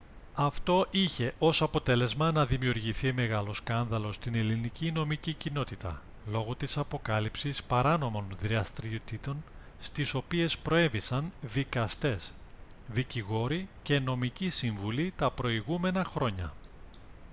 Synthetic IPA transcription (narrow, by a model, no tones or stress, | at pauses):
ɐft̪o̞ʔiçe̞ʔo̞sɐpo̞t̪e̞le̞zmɐnɐðimiuɾʝiθime̞ɣɐlo̞skɐnðɐlo̞st̪ine̞linicino̞micicino̞t̪it̪ɐ̰ | lo̞ɣot̪isɐpo̞kɐlipsispɐɾɐno̞mo̞nðɾiɐst̪ɾiot̪it̪o̞n | st̪iso̞pie̞spɾo̞e̞visɐnðikɐst̪e̞s | ðiciɣo̞ɾice̞no̞micisiɱvulit̪ɐpɾo̞iɣume̞nɐxɾo̞ɲɐ̰